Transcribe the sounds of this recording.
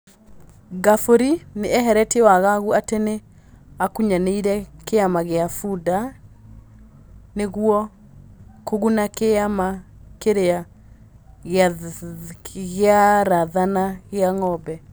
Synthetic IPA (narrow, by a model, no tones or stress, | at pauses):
ɡafoɾineʔɛɦɛɾɛtɛwaɣaɣuatene | akuɲaneiɾɛkeamaɣeafuda | neɣwɔ | koɣunakeamakeɾea | ɣ | ɣeaɾaðanaɣeaŋɔbɛ